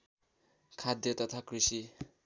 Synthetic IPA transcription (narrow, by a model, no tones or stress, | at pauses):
kʰad̪ʱjʌt̪ʌt̪ʰakrisi